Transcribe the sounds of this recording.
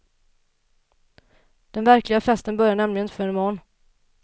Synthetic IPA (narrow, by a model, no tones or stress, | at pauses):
d̪̥ɛnvæɾklɪɡafɛst̪ənbœɾjaɳɛmlɪɡənɪfœɾɛnmoːn